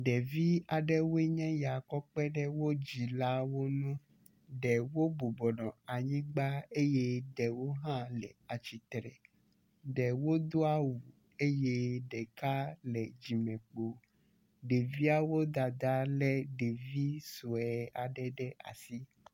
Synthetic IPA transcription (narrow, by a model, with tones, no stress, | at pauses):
ɖɛ˨vi˦a˨ɖɛ˦wo˦e˦ɲɛ̃˦ja˨kɔ˦k͡pɛ˦ɖɛ˦wo˦d͡ʑi˨la˦wo˦nũ˦ | ɖɛ˨wo˦bo˨bɔ˨ɖɔ̃˨a˨ɲĩ˦ɡ͡ba˦e˦jɛ˦ɖɛ˨wo˦ɦã˦lɛ̰˨a˨t͡ɕi˨t̪ɾɛ˨ | ɖɛ˨wo˦d̪o˦a˦wu˨ | e˦jɛ˦ɖɛ˨ka˦lɛ˨d͡ʑi˨mɛ̃˨k͡po˨ | ɖe˨vi˦a˦wo˦d̪a˨d̪a˦lɛ˦ɖe˨vi˦so˨ɛ˨a˨ɖɛ˨ɖɛ˦ʔa̰˨si˦